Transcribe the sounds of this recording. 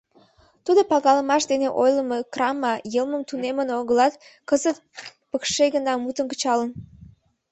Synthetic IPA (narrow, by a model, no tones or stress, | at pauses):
t̪ud̪opɑɣɑləmɑʃd̪eneʔojləməkrɑmɑjəlməmt̪unemənoɣəlɑt̪ | kəzət̪̚pəkʃeɣənɑmut̪ənkə̥t͡ɕɑlən